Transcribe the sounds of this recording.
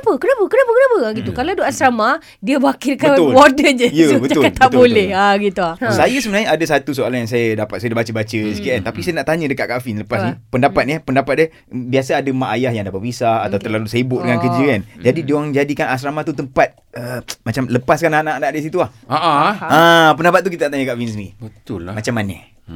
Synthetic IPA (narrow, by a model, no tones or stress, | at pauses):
pəkənapəkənapəkənapəaɡit̪ukaladoʔasɾama | diəbakikaʊwodəd͡ʒəjəbətaʊkat̪aʔ̪bolɛhaɡit̪uahsajəsəmənaɲəadəsat̪usoalanjaŋs̬ajədapat̪̚sadabat͡ʃəbat͡ʃəskeʔɛnt̪apisajənaʔt̪aɲə̃dəkat̪ʔ̚kafinləpassnipəndapat̪̚nəpəndapat̪̚ə | biasəadəmaʔajahjaŋdabəbisaat̪awt̪ərlalusajəibʊʔ̚dəŋankəd͡ʒəkand͡ʒadidiaŋd͡ʒadikanas̬ɾamat̪ut̪əmpat̪̚ | əmat͡ʃamləpaskananaʔnaʔdisit̪uahaaãpəndapat̪̚ːukit̪anaʔt̪aɲəkaʔfinsibət̪ʊlmat͡ʃamːanə